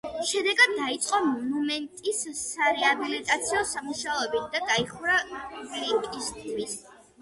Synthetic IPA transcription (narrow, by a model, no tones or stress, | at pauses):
ʃɛd̪ɛɡad̪̚ːait̪sʼqʼɔmɔnumɛnt̪ʼisːaɾɛabilit̪ʼat̪sʰiɔsamuʃaɔɛbid̪ad̪aiχɾaɡlipʼist̪ʰwis